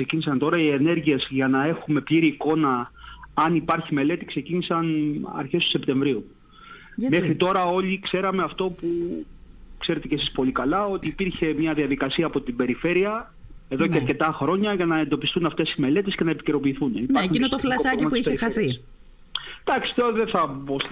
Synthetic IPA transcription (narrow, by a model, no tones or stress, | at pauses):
ksecinisɐnt̪o̞ɾɐiene̞ɾʝie̞zʝɐnɐe̞xume̞pʎiɾiːko̞nɐɐnipɐɾçimele̞t̪ikse̞cinisɐnɐ̰ɾçe̞st̪u̥se̞pt̪e̞ɱvɾiu | me̞xɾit̪o̞ɾɐo̞likse̞ɾɐme̞ɐft̪o̞pu | kse̞ɾe̞t̪ecesispo̞likɐlɐo̞t̪iːpiɾçe̞mɲɐðiɐðikɐsiɐːpo̞t̪ibe̞ɾife̞ɾiɐ | e̞ðo̞ceɐɾce̞t̪ɐxɾo̞ɲɐʝɐnɐe̞nd̪o̞pist̪unɐft̪e̞sime̞le̞t̪e̞sce̞nɐepi̥ce̞ɾo̞piːθunipɐxuninot̪oflɐsɐimɐpuiçexɐθi | d̪̥ɐksi̥t̪oɾðeθɐbos